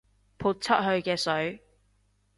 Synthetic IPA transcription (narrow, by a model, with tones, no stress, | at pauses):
pʰuː˨˩t̚t͡sʰt̚ɦɵ˧ɥkɛː˧sɵ˨˥ɥ